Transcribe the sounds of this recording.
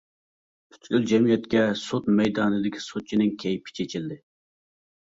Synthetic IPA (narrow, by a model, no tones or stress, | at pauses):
pʰy̥t̪ɡʲyld͡ʒɛmijɛt̪kʲɛsot̪mɛjd̪ɑːnɨd̪ɪkʲʰi̥sot̪̚t͡ʃʰinɪŋkʲʰɛjpʰɪ̥t͡ʃʰet͡ʃʰild̪ɪ